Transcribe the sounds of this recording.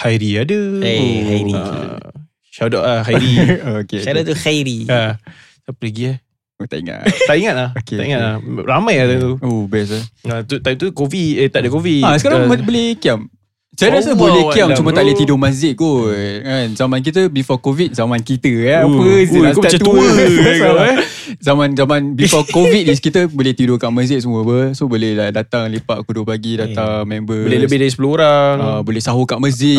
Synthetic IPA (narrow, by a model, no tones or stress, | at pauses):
hajɾiadəhaɾḭ | ʃadɔʔaɦajɾiokeaɾat̪uhajɾia | t̪apɾəɡia | ot̪a̰ʔḭŋa̰ʔt̪aiŋat̪̚lahokeaiŋat̪̚laramãjad̪at̪uobɛs̬aat̪ut̪at̪ukoviet̪aʔdəkoviasəkaɾabəbəlɛkiam | t͡ʃanas̬əbolɛhkiamt͡ʃumət̪aʔlət̪idomazɪʔ̚kukanzamank̬it̪̬əbifɔkovit̪̚zamãnkit̪əapəakpat̪t̪uəua | zamãnzamãnbifɔkovit̪̚iskit̪əbolɛht̪idokaʔməzɪʔ̚səmũəbəsobolɛhadat̪aŋlipaʔkudopaɡidat̪aŋmɛmbəolɛləbɪhdaɾis̬əpulooɾaŋabolɛhsaɦukaʔməzɪʔ